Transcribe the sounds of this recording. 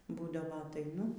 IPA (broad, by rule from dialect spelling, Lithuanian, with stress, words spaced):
ˈbuːdɐʋoː ɐtɐɪˈnʊ